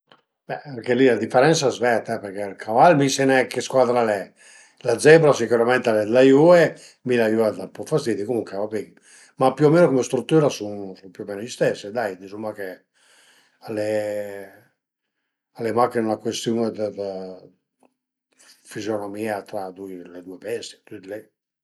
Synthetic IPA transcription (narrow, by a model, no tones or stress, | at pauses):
bɛaŋkelilad̪ifːeɾɛntsaɛzvɛt̪aɛpeɾkelkʰavalmisenɛkeskwaːd̪ɾalɛ | lad̪zɛbɾasikuɾamɛnt̪alɛd̪lajue | milajuad̪apɔfast̪iːd̪ikomuŋkɛvapiɡ | mapjuomenokomest̪ɾut̪ːuːɾasunsumpjuomenoʎist̪esːed̪ajd̪izumake | ale | alemakenulakwest̪juned̪əd̪ | fizjonomiːat̪ɾad̪ujled̪uepɛst̪i̥t̪yd̪lɛ